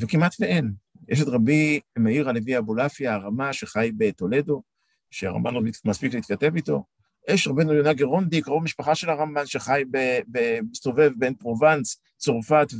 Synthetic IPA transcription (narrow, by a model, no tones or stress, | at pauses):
vekimatveʔen | jʔeʃ̬et̪ʁabimeiʁaleviabolafjaːʁamaʃe̞χajbe̞to̞le̞do̞ | ʃea̰ʁa̰mbanʁabimaspikleiit̪̚kate̞vito̞̰ | jeʃʁabenoljonaɡeʁondikʁovamiʃpaχaʃe̞laʁambanʃeχajbebemist̪o̞ve̞vbenpʁovant͡s | t͡soʁfat̪